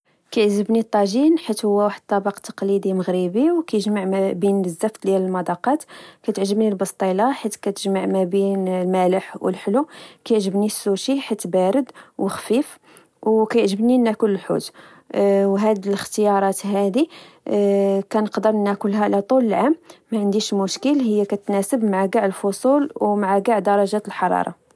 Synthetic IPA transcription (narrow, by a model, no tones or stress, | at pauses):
kæjəʕʒəbnit̪ˤːɑʒinħit̪hʊwːæwaħəd̪̚t̪ˤːɑbɑqt̪ːɑ̥qlid̪iməɣɾibiwkæjəʒmaʕbinəzːæft̪d̪jæləlmɑd̪ɑqɑt̪kæt̪əʕʒəbnilbɑst̪ˤilɑħit̪kæt̪əʒmaʕmæbinlmæləħwə̰lħlukæjʕʒəbnisːuʃiħat̪ːbæɾəd̪wəxfif | wkæjəʕʒəbninækʊləlħṵt̪ | wɦæd̪iləxt̪əjɑɾˤɑt̪ɦæd̪i | kænəqd̪əɾnækʊlɦælæt̪ˤuləlʕamːæʕənd̪iʃmʊʃkəlhəjːækæt̪næsəbmaʕaɡaʕəlfosˤulwmaʕaɡaʕd̪ɑɾˤɑʒæt̪əlħɑɾˤɑ̰ɾˤɑ̰